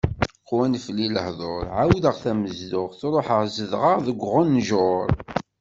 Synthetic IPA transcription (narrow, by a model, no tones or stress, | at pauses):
qwænflːiləhðˤoɾˤʕawðəʁθæməzdʊʁθɾˤoħəʁzəðʁəʁðəɡʷʁʊnːʒoɾˤ